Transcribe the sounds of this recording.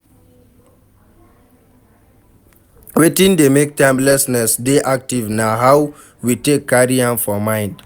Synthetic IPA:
wetĩndemek̚tãɪ̃mlɛsnɛsdeʔak̚tivnaɦaw | witekːaɹiãnfɔmãɪ̃nd

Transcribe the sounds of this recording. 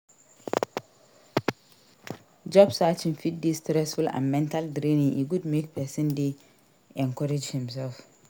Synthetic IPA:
d͡ʒɔbsat͡ʃɪ̃nfit̚distɾɛsfulã̰nmɛ̃ntaldɾĩnĩŋiɡudmek̚pʰɛsɪ̃ndi | ɛ̃ŋkʰɔɹed͡ʒhɪ̃ms̬ɛlf

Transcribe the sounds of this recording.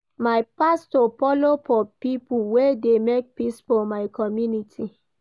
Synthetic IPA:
majpastɔfɔlofɔpipuwedemek̚pisfɔmaɪkɔmjunitʰi

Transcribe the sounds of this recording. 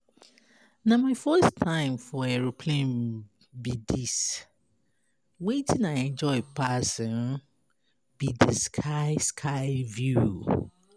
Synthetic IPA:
namaɪfɜstʰãɪ̃mfɔɛɹopʰlẽn | bidis | wetʰĩnãnɛ̃nd͡ʒɔɪpʰasɔ̃n | b̥idiskʰaɪskʰaɪvju

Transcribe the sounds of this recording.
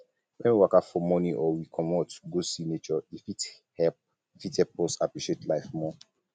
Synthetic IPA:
wɛ̃nwiwakafɔmɔ̃niʔɔwikʰɔ̃mɔtɡosinet͡ʃɔifit | hɛp | ifithɛp̚ɔsapɹiʃetlaɪfmɔ

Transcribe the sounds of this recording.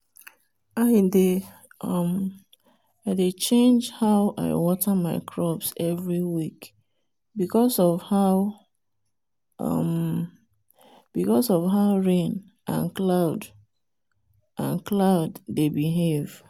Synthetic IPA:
aɪde | ʌm | aɪdet͡ʃẽnd͡ʒhaʊʔa̰ɪwɔtʰəmaɪkʰɹɔpsɛvɹiwik | bikɔsɔvhaʊ | ʌ̰m | b̥ikɔsɔvɦaʊɹẽn | ʔã̰nklaʊd | ʔãnklaʊdːebiɦev̥

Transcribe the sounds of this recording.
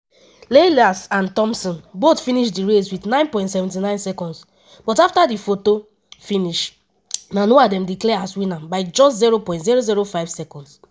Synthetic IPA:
lelasãntɔ̃msɔ̃nbotfĩniʃdiɹeswitnãɪ̃npɔ̃ɪ̃ntsɛvɛ̃ntinãɪ̃nsɛkɔ̃nds | b̥ɔtaftadifoto | fĩniʃ | nãnoadɛ̃mdiklɛaswĩnabaɪd͡ʒɔsziɹopɔ̃ɪ̃ntziɹoziɹofaɪvsɛkɔ̃nds

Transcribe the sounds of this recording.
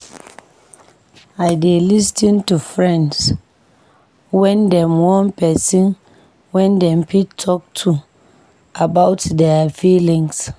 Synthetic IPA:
ajdelistĩntufɹɛ̃nds | wɛ̃ndɛmwɔ̃npɛsĩn | wɛ̃ndɛ̃mpʰitʰːɔk̚tʰu | ʔabaʊtdɛfilĩŋs

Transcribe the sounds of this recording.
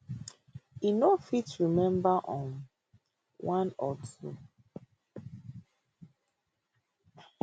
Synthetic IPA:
inofitɹimɛ̃mbaʔɔ̃m | wʔãnɔtʰṵ

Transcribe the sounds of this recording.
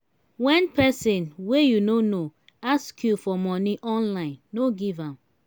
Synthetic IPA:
wɛ̃npɛsĩnwejunono | askjufɔmɔniʔɔ̃nlãɪ̃nːoɡivãm

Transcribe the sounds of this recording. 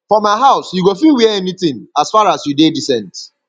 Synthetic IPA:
fɔmaɪɦaʊsjuɡofilwɛɛnit̪ɪ̃ŋasfaɹasjudedisɛ̃nt

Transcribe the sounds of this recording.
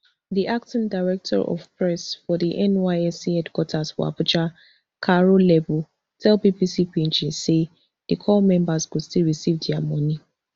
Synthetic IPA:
ðiʔak̚tɪ̃ndaɪɹɛk̚tʰɔ̰ɹʔɔ̰vpɹɛsfɔdiʔɛ̃nwaɪɛsiɛdkɔtʰazfɔ̰a̰pʊt͡ʃa | kʰaɹolɛbu | tʰɛlbipisipĩnt͡ʃise | ð̥ikʰɔlmɛ̃mbazɡustilɹisivdiamɔni

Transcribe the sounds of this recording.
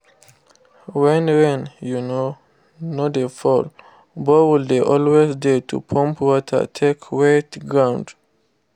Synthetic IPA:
wɛ̃nɹɛ̃njuno | nodefɔl | bowildeʔɔlwezdetʰṵpʰɔ̃mpʰwɔtʰə̰tʰekʰwetɡɹãw̃nd

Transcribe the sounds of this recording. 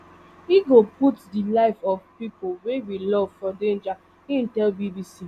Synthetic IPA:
iɡoputdilaɪfɔvpipolwewilɔvfɔdẽnd͡ʒa | ĩn̩tɛlbibisi

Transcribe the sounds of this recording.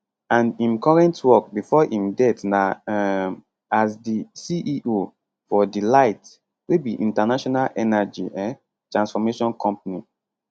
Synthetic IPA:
ãnĩmkɔɹɛ̃ntwɔk̚bifɔʔĩmdɛtna | asdisiʔiʔo | fɔdilaɪt | webiʔḭ̃ntanaʃɔnalʔɛnad͡ʒḭɛ | tɹãnsfɔmeʃɔ̃nkʰɔ̃mp̚ani

